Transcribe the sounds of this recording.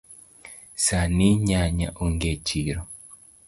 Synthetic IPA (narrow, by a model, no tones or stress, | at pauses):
saniɲaɲa̰ʔuŋɡet͡ʃiɾɔ